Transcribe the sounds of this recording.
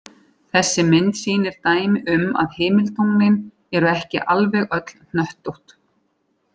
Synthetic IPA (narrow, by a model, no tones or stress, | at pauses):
θɛsːɪmɪnt̪siːnɪɾ̥t̪aːjmɪʔʏma̰ðhɪːmɪlt̪owŋnɪn | ɛɾʏɛhcɪ̰ʔalvɛɣœt̪l̥n̥œht̪oht̪